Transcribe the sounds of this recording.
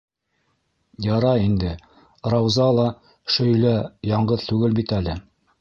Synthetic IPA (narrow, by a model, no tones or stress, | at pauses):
jɑɾɑind̪ɘ | ɾɑwzɑlˠɑ | ʃɵ̆jlæjɑɴɢɤðt̪ʉɡɘlbit̪ælɘ